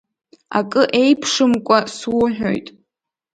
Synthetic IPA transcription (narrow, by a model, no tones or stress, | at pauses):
a̰kʼɨʔe̞jpʰʂɨmkʷʼaswʊħᶣo̰jtʼ